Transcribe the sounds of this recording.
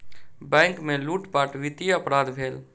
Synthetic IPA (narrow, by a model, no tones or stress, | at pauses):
bɛ̃ŋkmeluʈbaʈʋit̪iəpɾad̪bʱeːl